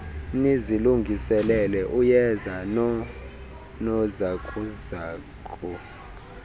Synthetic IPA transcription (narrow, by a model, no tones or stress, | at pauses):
neziluŋɡʱisɛlɛlɛʔujɛzan | nɔzakʼuzaːkʼɔ